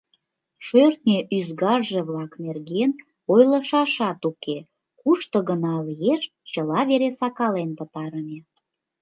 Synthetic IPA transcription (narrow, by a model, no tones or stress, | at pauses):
ʃørt̪nʲeʔyzɣɑrʒeβlɑknerɣen | ojlə̆ʃɑʃɑt̪uke | kuʃt̪oɣənɑlijeʃ | t͡ɕəlɑβeɾesɑkɑlenpət̪ɑɾəme